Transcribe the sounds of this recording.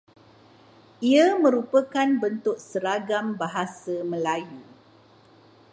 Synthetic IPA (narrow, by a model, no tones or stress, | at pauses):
iəmə̃ɾupəkanbənt̪ʊk̚səɾaɡambaɦasamə̃laju